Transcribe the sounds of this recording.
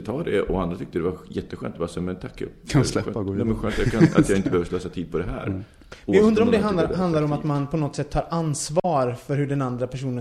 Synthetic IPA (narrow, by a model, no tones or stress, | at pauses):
t̪ʰɑːɖɛɔand̪ɾat̪ʰʏk̚t̪əd̪ɛvajɛt̪ːəɧœ̰ːnt̪ɛbɑːsɛmɛnt̪ʰakːkʰalɛɧːaɡ̪ɛmɛnɧœːnt̪jɑkʰaa̰jɑɡɪnt̪əbɛhœvəsløːsat̪ʰiːd̪̚pʰɔd̪ɛɦæ̰ːɾ | aɵnɾaɾɔmd̪ɛɦand̪aɾɦand̪laɾɔmat̪manpʰɔnɔt̪sɛt̪ʰːɑːɾʔansvɑːɾfœɾɦɵ̟ɖɛnand̪ɾapʰæʂuːnə